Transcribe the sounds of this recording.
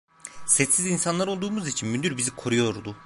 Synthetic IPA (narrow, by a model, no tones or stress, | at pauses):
sɛt̪sizinsanlˠaɾo̞lˠd̪uːmuzit͡ʃʰinmynd̪yɾbizikʰo̞ɾujo̞ɾd̪u